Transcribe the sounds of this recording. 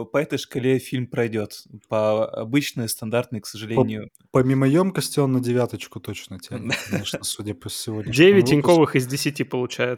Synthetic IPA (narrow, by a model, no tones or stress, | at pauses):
pɐɛt̪əjʂkɐlʲefʲilʲmpɾɐjdʲo̞t̪pɐɐ̰bɨt͡ɕnɨjəst̪ɐnd̪art̪nɨjksəʐɨlʲenʲɪjʊ | pɐmʲimɐjomkɐsʲtʲɪonːədʲɪvʲat̪ət͡ɕkʊt̪ot͡ɕnətʲd̪aeʂnəsudʲapəsʲːɪvod̪ʲnʲɪdʲevʲɪtʲɪnʲkovɨxɪzdʲɪsʲɪtʲipəlˠʊt͡ɕæjɪt̪